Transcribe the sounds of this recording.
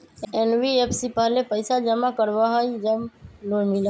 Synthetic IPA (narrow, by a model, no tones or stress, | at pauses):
enʋiepʰsipəɦlepəɪsad͡ʒəmakəɾʋaɦoid͡ʒəmlomɪla